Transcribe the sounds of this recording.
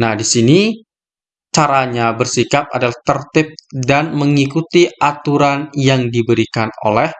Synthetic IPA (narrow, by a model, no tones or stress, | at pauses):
nahdisini | t͡ʃaɾaɲabərsikap̚a̰dalaht̪ərt̪ɪp̚danməŋikut̪iʔat̪uɾanjaŋdibəɾikano̰lɛh